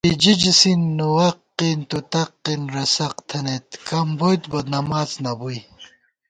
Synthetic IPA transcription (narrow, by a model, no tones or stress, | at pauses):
pid͡ʑid͡ʑisinːuwɐqːint̪ut̪ɐqːinɾɐsɐqt̪ʰɐnet̪kɐmbojt̪bɐd̪nɐmaːznɐbuj